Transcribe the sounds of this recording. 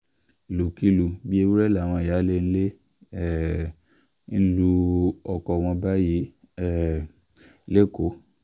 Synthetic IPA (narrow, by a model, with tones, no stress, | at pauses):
lu˨ki˧lu˨bi˦e˧wu˦ɾɛ˦la˦˨w̃ɔ̃˧i˨ja˨˦le˦ñ̩˦le˦˨ | n̩˦lu˧ɔ˨kɔ˨w̃ɔ̃˧ba˦ji˦ | le˦ko˨˦